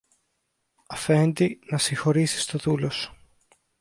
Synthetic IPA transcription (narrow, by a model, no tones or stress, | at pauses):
ɐfe̞nd̪inɐsiŋxo̞ɾisi̥st̪o̞ðulosu̥